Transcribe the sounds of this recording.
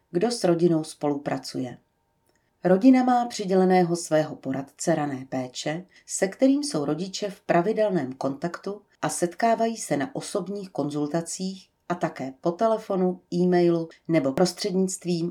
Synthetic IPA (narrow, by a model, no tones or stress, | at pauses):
ɡdo̞sɾo̞ɟɪno̞wspo̞lupɾat͡sṵjɛ | ɾo̞ɟɪnamaːpr̝̥ɪɟɛlɛnɛːɦo̞svɛːɦo̞po̞ɾat̪t͡sɛɾanɛːpɛːt͡ʃɛ | sɛkt̪ɛɾiːmso̞wɾo̞ɟɪt͡ʃɛfpɾʔavɪdɛlnɛːmko̞nt̪akt̪u | ʔasɛt̪kaːvajiːsɛnaʔo̞so̞bɲiːxko̞nzult̪at͡siːx | ʔat̪akɛːpo̞t̪ɛlɛfo̞nuʔiːmɛjlunɛbo̞ɾo̞st̪r̥ɛdɲɪt͡st̪viːm